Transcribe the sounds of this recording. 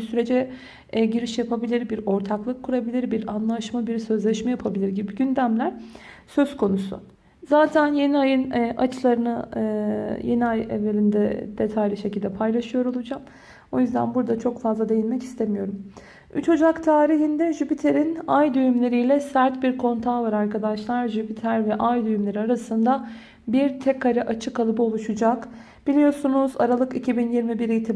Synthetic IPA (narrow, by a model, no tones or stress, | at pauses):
syɾe̞d͡ʒɛ | ɟiɾiʃjapʰabilʲiɾbiɾo̞ɾt̪ʰaklˠɯkʰːuɾabilʲiɾbiɾanlˠaʃmabiɾsø̞zlʲɛʃmɛjapʰabilʲiɾɟibiɟynd̪æmlʲæɾ̥sø̞z̥kʰo̞nusʊ̰ | zaːt̪ʰænje̞niajɯnʔa̰t͡ʃʰlˠaɾɯnɯ | jeniajḛvelʲind̪ɛ̰d̪̥et̪ʰajlʲiʃe̞cilʲd̪ɛpʰajlˠaʃɯjo̞ɾo̞lˠud͡ʒam | o̞jyzd̪æ̰nbuɾd̪at͡ʃʰo̞kfazlˠad̪e̞jinmɛci̥st̪ʰemijo̞ɾum | y̰t͡ʃʰo̞d͡ʒakt̪ʰaːɾiɦind̪ɛʒypit̪ʰe̞ɾinajd̪yjymlʲe̞ɾijlʲɛsæɾt̪biɾkʰo̞nt̪ʰaːvaɾaɾkad̪aʃlˠaɾʒypʰit̪ʰæɾvɛʔajd̪yjymlʲe̞ɾiaɾasɯnd̪a | biɾt̪ʰɛkaɾaʔat͡ʃʰɯkalˠɯpo̞lˠuʃud͡ʒak | b̥ilʲijo̞ɾsunuza̰ɾalˠɯkicʰibinjiɾmibiɾiːt̪ʰi